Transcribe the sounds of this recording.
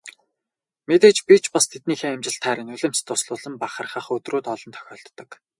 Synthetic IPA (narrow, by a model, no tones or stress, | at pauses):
met̪eːt͡ɕpit͡ɕpast̪ʰet̪niːxeːæmt͡ɕɪ̆ɬt̪ʰχæːɾɘ̆nɵɮɘ̆m̥t͡st̪ʰʊsɮʊːɮə̆mpaχə̆rχə̆ːχɵt̪ruːt̪ɔɮɞ̆nt̪ʰœ̥xʲɔːɬt̪ːɞ̆k